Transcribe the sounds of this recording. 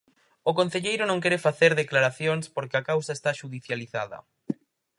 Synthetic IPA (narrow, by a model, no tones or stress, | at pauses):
okon̟θeʎejɾʊnõŋkɛɾefaθeɾðeklaɾaθjoŋspoɾkeakawsaest̪aʃuðiθjaliθa̰ðɐ̰